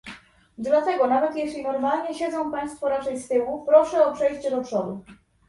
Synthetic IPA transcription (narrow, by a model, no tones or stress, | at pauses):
d̪lat̪ɛɡɔnavɛt̪jɛɕʲlʲinɔɾmalɲɛɕed̪zɔ̃w̃paj̃st̪fɔɾat͡ʂɛjst̪ɘwupɾɔʂɛɔpʂɛjɕt͡ɕɛd̪ɔpʂɔd̪u